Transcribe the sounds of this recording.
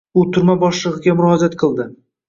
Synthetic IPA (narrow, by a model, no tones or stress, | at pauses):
ʊt̪ʰʊɾmabɒʃlˠɨʁɪɡʲamʊɾɒhad͡ʒat̪̚qʰɨlˠd̪ɪ